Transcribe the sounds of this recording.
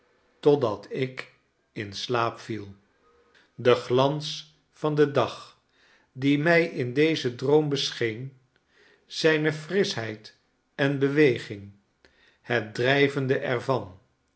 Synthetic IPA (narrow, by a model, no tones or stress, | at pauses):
tɔdɑtʰɪk | ɪnslaːpfilˠ | dəχlɑns | fɑndədɑχ | dimɛjɪndejzədrowmbəsχejn | z̥ɛjnəfrɪsɦɛjt | ɛnbəʋejχɪŋ | hɛt̚drɛjvəndəʔɛrvɑn